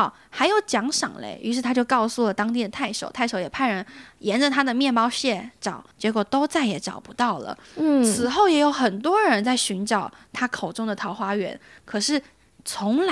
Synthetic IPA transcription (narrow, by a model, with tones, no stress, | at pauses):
xa˧˥ɪjo˧˥ʊt͡ɕjɑ˧˥ŋʂɑ̰˨˩ŋlḛ˧˥ɪʔy̰˧˥ʂɻ̩˥˩t̪ʰa˥t͡ɕjo˥˧ʊkɑ˥˧ʊsu˥˩lə˩t̪ɑ˥ŋt̪i˥˩d̪ə˩t̪ʰa˥˩ɪʂo˨˩ʊt̪ʰa˥˩ɪʂo˧˥ʊjɛ˨˩pʰa˥˩ɪɻə˧˥njɛ˧˥nʈ͡ʂə˨t̪ʰa˥d̪ə˨mjɛ˥˩nmɑ˥ʊɕjɛ˥˩ʈ͡ʂɑ˨˩˦ʊt͡ɕjɛ˧˥kwɔ˨˩t̪o˥ʊt͡sa˥˩ɪjɛ˧˥ʈ͡ʂɑ̰˨˩ʊpu˧˥t̪ɑ˥˩ʊlə̰˩t͡sʰɹ̩˨˩xo˥˩ʊjɛ˧˥jo˧˥ʊxə˨˩nt̪wɔ˥ɻə˧˥nt͡sa˥˩ɪɕy˧˥nʈ͡ʂɑ˨˩ʊ | t̪ʰa˥kʰo˨˩ʊʈ͡ʂʊ˥ŋd̪ə˨t̪ʰɑ˧˥ʊxwa˥ɥɛ̰˧˥nkʰɤ˨˩ʂɻ̩˥˩ | t͡sʰʊ˧˥ŋl